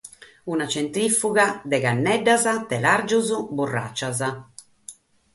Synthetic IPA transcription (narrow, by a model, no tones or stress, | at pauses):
unat͡ʃɛnt̪ɾifːuɣad̪ɛɣanːɛɖːazat̪ɛlaɾd͡ʒuzuburːa̰t͡ʃːaza